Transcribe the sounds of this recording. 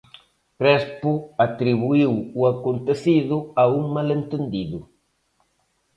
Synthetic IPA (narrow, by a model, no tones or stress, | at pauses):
kɾɛspuat̪ɾiβuiwuakont̪eθiðʊauŋmalent̪end̪iðʊ